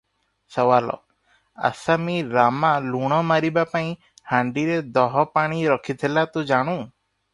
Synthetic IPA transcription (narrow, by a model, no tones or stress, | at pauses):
sɔwalɔ̰ | a̰samiɾamaluɽ̃ɔmaɾibapaĩ | haɳɖiɾed̪ɔɦɔpaɽ̃iɾɔkʰit̪ʰilat̪ũd͡ʒaɽ̃ũ